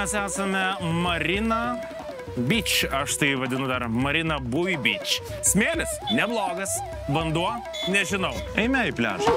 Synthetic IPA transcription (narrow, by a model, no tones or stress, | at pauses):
mʲɛsæːsɐmʲɛmɐɾʲɪnɐ | bʲɪt͡ʃɐʃt̪ɐɪʋɐd̪ʲɪnʊd̪ɐɾmɐɾʲɪnɐbʊʋʲibʲɪt͡ʃ | sʲmʲeːlʲɪsnʲɛblˠoːɡɐs | bɐnd̪uɔ | nʲɛʒʲɪnɐʊɐɪmʲɛɪpʲlʲæ̰ːʒɐ